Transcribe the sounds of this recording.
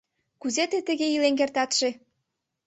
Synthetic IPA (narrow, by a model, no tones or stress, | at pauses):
kuzet̪et̪ə̆ɣeilenkert̪ɑt̪ʃe